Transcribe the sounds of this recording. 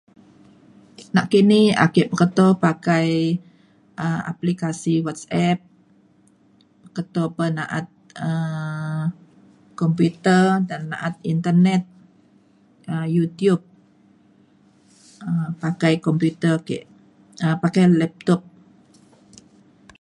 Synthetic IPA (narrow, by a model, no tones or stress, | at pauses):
naʔkiniha̰keʔpəkət̪ɔpakaj | ʔəa̰plikasiwat̪̚sɛp̚ | əkət̪ɔpənaʔat̪̚ə | kɔmput̪ərdanːaʔat̪̚int̪ərnɛt̪̚ | ʔəjut̪jub̚ | əpakajkɔmput̪ərkḛʔ | əpakajlɛp̚t̪ɔp̚